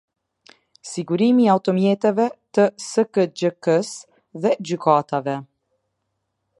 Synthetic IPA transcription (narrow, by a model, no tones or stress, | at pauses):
siɡuɾimiawt̪ɔmjɛt̪ɛvɛt̪əsəkəd͡ʑəkəs | ðɛd͡ʑykat̪avɛ